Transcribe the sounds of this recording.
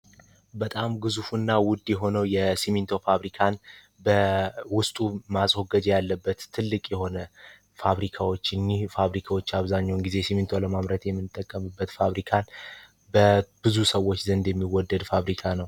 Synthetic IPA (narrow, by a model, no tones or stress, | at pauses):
bət̪ʼamɡɨzufunːawʊd̪jɛɦo̞nəwjɛsimint̪ʰo̞faβɾikʰan | bəwʊst̪ʼumasʼwoɡəd͡ʒɛjalːəbːət̪ʰːɨlːɨkʼjɛho̞nə | faβɾikʰawot͡ʃːɨnːihfaβɾikʰawo̞t͡ʃːaβzaɲːawnɡize̞simint̪ʰo̞ləmamɾət̪jɛmːɨnt̪ʼːəkʼːəmɨbːət̪faβɾikʰan | bəb̥ɨzusəwːot͡ʃːzənd̪jɛmːiwɔd̪ːəd̪faβɾikʰanəw